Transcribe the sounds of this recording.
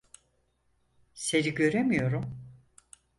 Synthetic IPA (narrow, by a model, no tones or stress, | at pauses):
se̞ɾiɟø̞ɾemijo̞ɾum